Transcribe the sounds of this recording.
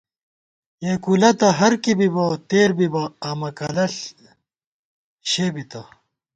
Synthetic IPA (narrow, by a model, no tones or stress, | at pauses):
jeːkulɐt̪ɐɦɐɾkibibɐt̪eːɾbibɐaːmɐkɐlɐɬ | ɕeːbit̪ɐ